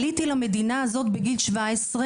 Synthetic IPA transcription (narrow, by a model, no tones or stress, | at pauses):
lit̪ilame̞d̪inaːzo̞t̪̚beɡilʃvaesʁe